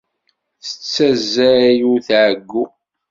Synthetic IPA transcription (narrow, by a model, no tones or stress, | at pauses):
θə̥t͡sːæzːæɾæjuθʕəɡːu